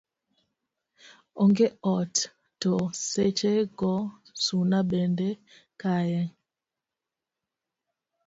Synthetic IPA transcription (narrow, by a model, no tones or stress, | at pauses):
oŋɡeɔt | toset͡ʃeɡɔsunaɓɛndɛ | kajɛŋ